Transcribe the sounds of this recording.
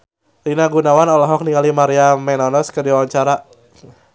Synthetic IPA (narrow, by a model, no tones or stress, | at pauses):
rinaɡunawanɔlɔɦɔk̚niŋalimaɾiamɛnɔnɔskədiwawaɲt͡ʃaɾa